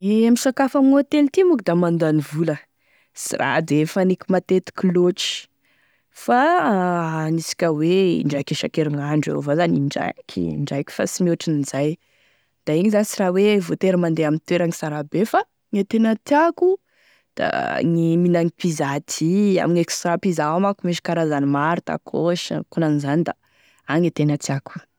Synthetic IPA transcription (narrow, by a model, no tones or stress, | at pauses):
iamisakafamiŋoat̪elt̪imukid̪amand̪anivulə | sira̰d̪efanikʲimat̪et̪i̥kʲiloʈ͡ʂi̥ | fa | nisi̥kʲəweɳɖ͡ʐajkeʃakeɾiŋaɳɖ͡ʐa̰ovazaniɳɖ͡ʐa̰kʰʲḭɳɖ͡ʐajkʲi̥fa̰simoʈ͡ʂininzaj | d̪̥aiɲizant͡sirawevot̪eɾamand̪eamint̪eɾaŋisaɾabefa | ŋet̪enət̪iaku | d̪̥a̰ŋiminaŋipizat̪ʰia̰miɲekst̪ɾapizamakumeʃi̥kaɾazanimaɾut̪a̰kʰoʃə̰kunanizand̪a̰ | aŋet̪enat̪iaku̥